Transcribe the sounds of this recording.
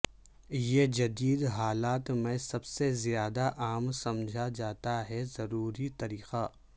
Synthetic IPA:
jed͡ʒɐd̪iːd̪ɦaːlaːt̪mẽsɐbsezjaːd̪aʔaːmsɐmd͡ʒʱad͡ʒaːt̪aɦɛzɐɾuːɾit̪ɐɾiːqa

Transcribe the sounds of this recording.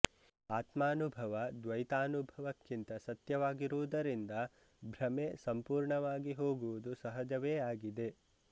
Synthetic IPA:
aːt̪maːnubʱɐʋɐd̪ʋɐjt̪aːnubʱɐʋɐkːint̪ɐsɐt̪jɐʋaːɡiɾuʋud̪ɐɾind̪ɐ | bʱɾɐmeːsɐmpuːɾɳɐʋaːɡiɦo̞ːɡuʋud̪usɐɦɐd͡ʒɐʋeːaːɡid̪e̞

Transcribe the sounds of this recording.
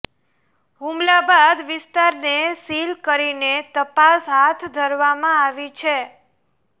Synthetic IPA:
ɦũmlabad̪ʋɪst̪aɾnesilkəɾinet̪əpasɦat̪ʰd̪ʱəɾʋamãaʋit͡ʃʰe

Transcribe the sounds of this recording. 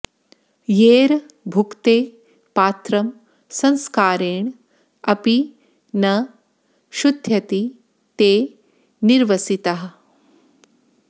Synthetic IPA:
jeːɾ | bʱukt̪eː | paːt̪ɾɐm | sɐ̃nskaːɾeːɳ | ɐpi | nɐ | ʃud̪ʱjɐt̪i | t̪eː | niɾʋɐsit̪ɐɦɐ̆

